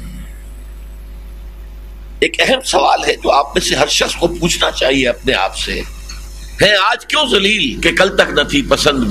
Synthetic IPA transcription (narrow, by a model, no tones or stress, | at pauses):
eːkɛɦəmsɐʋaːlɦɛt̪oaːpmẽseɦɐɾʃɐxskopuːt͡ʃʰnat͡ʃaːɦieɐpnea̰ːpsḛ | ɦɛ̃ːaːd͡ʒkjõːzɐliːlkekɐlt̪ɐknɐt̪ʰipɐsə̃nd̪